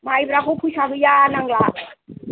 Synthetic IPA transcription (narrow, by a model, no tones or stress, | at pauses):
majbɾakʰopʰusabijanaŋlaʔ